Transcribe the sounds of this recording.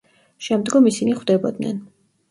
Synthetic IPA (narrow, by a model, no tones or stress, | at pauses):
ʃɛmd̪ɡɔmisiniχwd̪ɛbɔ̰d̪nɛ̰n